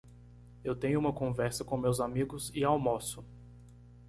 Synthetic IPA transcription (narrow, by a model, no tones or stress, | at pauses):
ewt̪ẽɲʊũmɐkõvɛɾsɐkõmewzamiɡʊzɪawmosʊ